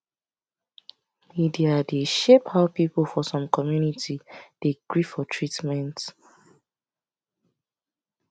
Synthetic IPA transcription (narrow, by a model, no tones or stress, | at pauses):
midiadeʃephaʊpipl̩fɔsɔ̃mkɔmjunitʰid̥eɡ̥ɹifɔtʰɹitmɛ̃nt